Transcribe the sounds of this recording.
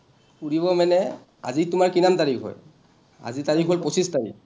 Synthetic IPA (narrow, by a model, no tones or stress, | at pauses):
puɹiβɔmanɛ | a̰zitʊmaɹkinamtaɹikʰɦɔ̰j | a̰zitaɹikʰɦolposʰistaɹḭk